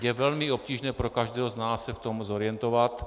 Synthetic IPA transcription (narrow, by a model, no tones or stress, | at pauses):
jɛvɛlmiop̚ciːʒnɛːpɾokaʒd̪ɛːɦɔznaːsːɛft̪omzoɾɪjɛnt̪oʋat̪